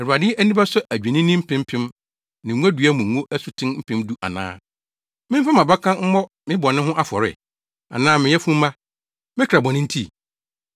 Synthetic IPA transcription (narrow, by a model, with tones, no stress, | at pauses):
ɛ˨ɾu˨a˨dɪ˦æ˦nĩ˦ba˦sʊ˦ʔæ˨d͡ʑᶣi˨nɪ̃˦nɪ̃˦m̩˦pʰɪ̃˦m̩˦pʰɪ̃˦m | nɪ̃˨˦u˦æ˦dɥæ˦mʊ̃˨˦ŋũ˦ʔæ˦sʊ˨tʰɪ̃˦nm̩˦pʰɪ̃˦mdu˦ʔa̰˨nã̰ː˦ | mɪ̃˦m˦fã˦mã˨ba˦kʰã˦m̩˦mɔ˦ | mɪ̃˦bɔ˨nɪ̃˦ɦʊ̃˦ʔa˦fɔ˨ɾɪ̰˨ | a̰˨nãː˦mɪ̃˨jɛ˦fũ˦m̩˦mã˦ | mɪ̃˦kʰɾa˨bɔ̃˨nɪ̃˦n̩˦tʰi˦